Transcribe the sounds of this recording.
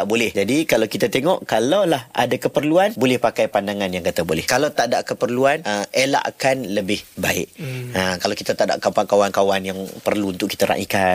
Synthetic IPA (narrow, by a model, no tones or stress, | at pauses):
t̪aʔbolɛhd͡ʒadikalawkit̪at̪eŋɔʔkalawlahʔa̰dakəpərluanbolɛhpakajpandaŋãnjaŋkat̪abolɛhkalawt̪aʔdaʔkəpərluanəela̰ʔkanləbɪhbaɪ̰ʔəkalawkit̪at̪aʔda̰ʔkapakawankawanjaŋpərluːnt̪ʊʔki̥t̪aɾa̰ʔḭka